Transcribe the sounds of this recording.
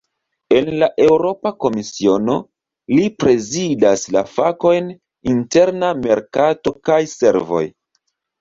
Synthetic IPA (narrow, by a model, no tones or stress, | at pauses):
e̞nlaʔe̞wɾo̞pako̞misio̞no̞ | lipɾe̞zidasla̰fako̞jn | inte̞ɾname̞ɾkato̞kajse̞̰ɾvo̞̰j